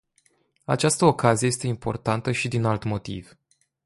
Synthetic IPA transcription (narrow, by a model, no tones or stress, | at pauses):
a̰t͡ʃast̪əokazijeje̞st̪e̞impo̞̰rt̪ant̪əʃid̪inalt̪mo̞t̪ḭv